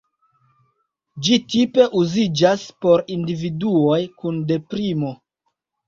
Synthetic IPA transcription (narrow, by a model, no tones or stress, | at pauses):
d͡ʒitipe̞ʔuzid͡ʒaspo̞ɾindividuo̞jkunde̞pɾimo̞